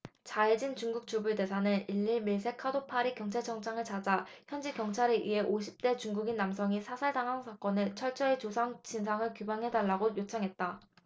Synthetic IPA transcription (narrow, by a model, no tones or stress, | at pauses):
t͡ɕaed͡ʑint͡ɕuŋɡuk̚t͡ɕ͈ubuɭde̞sʰanɯniʎːiɭmiɭsʰe̞kʰadopʰaɾikjʌŋt͡ɕʰaɭt͡ɕʰʌŋt͡ɕ͈ʰaŋɯɭt͡ɕad͡ʑaçjʌnd͡ʑikjʌŋt͡ɕʰaɾeʔiɦe̞ʔoɕʰi̥p̚t͈e̞t͡ɕuŋɡuɡinːamsʰʌŋisʰasʰaɭdaŋaŋsʰak͈ʌnɯt͡ɕʰʌɭt͡ɕ͈ʌet͡ɕosʰaŋt͡ɕins̬ʰaŋɯɭkjubaŋɦe̞daɭːaɡojot͡ɕʰaŋɦe̞t̚t͈a